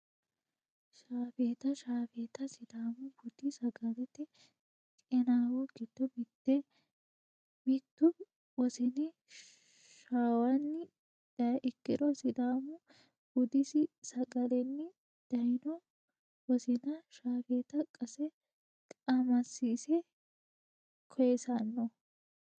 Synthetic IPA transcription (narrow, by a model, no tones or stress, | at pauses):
ʃaːfeːt̪ɐʃaːfeːt̪ɐsɪd̪aːmʊbʊd̪̥ɪsɐɡɐlɛt̪ɪ | tʼɛnaːwɔɡɪd̪̥ɔmɪt̪ːɛ | mɪt̪ːʊ | wɔsɪnɪ | ʃaːwɐnːɪ | d̪̥ɐɪkːɪᶑ̪ɔsɪd̪aːmʊ | b̥ʊd̪ɪsɪsɐɡɐlɛnːɪ | d̪̥ɐjnɔ | wɔsɪnɐʃaːfeːt̪ɐkʼɐsɛ | kʼɐmɐsiːsɛ | kʰɔjɛsɐnːɔ